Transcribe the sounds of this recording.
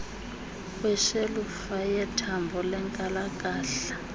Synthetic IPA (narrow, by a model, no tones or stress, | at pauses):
wɛʃelufajɛtʰambʱɔlɛŋkʼalakʼaːɬḁ